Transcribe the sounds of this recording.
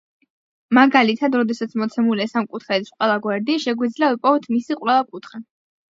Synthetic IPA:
maɡalit̪ʰad̪ɾɔd̪ɛsat̪sʰmɔt̪sʰɛmuliɛsamkʼut̪ʰχɛit̪sʰqʼwɛlˠaɡwɛɾd̪iʃɛɡwid̪zliavipʼɔvɛt̪ʰmisiqʼwɛlˠakʼut̪ʰχɛ

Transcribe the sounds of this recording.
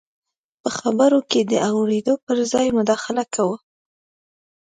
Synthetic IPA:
pəxabəɾoked̪əawɽed̪opəɾzɑjmʊd̪ɑxɪlakʰawə

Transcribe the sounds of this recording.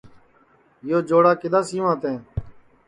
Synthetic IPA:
joːd͡ʒoːɽaːkɪd̪ãːsĩːʋãːt̪ẽː

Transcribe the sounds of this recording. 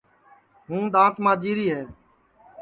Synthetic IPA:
ɦũːd̪ãːt̪mãːd͡ʒiːɾiːɦeː

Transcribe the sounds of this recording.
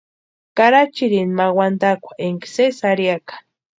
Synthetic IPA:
kaɾat͡ʃiɾinmawand̪akʷḁʔeŋksesaɾiakḁ

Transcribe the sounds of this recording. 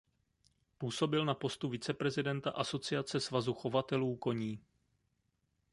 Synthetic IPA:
puːso̞bɪlnapo̞st̪uvɪt͡sɛpɾɛzɪdɛnt̪aʔaso̞t͡sɪat͡sɛsvazuxo̞vat̪ɛluːko̞ɲiː

